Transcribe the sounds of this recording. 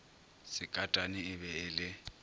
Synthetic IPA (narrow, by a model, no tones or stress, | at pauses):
sɪkʼatʼanɪɪβɛɪlɪ